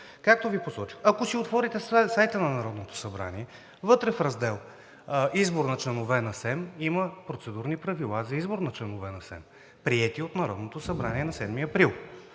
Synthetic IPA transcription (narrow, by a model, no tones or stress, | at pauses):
kak̚t̪oviposɔt͡ʃi̥xɐkosiot̪vɔɾit̪ɛssajt̪ənɐnɐɾɔd̪not̪o̥sɐbɾa̰niɛ | vɤt̪ɾɛfɾɐzd̪ɛlˠ | izboɾnɐt͡ʃlɛnovɛnɐsɛmiməpɾot̪sɛd̪uɾnipɾɐvilˠazɐizboɾnɐt͡ʃlɛnovɛnɐsɛ̰m | pɾiɛt̪iot̪nɐɾɔ̰d̪not̪osɐbɾaniɛnɐsɛd̪miɐpɾilˠ